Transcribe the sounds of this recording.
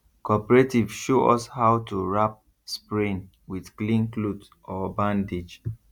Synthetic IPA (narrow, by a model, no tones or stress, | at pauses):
kɔpəɹetivʃoʔɔshawtuɹap̚ | spɹĩn | widklĩnklut | ʔɔbãndid͡ʒ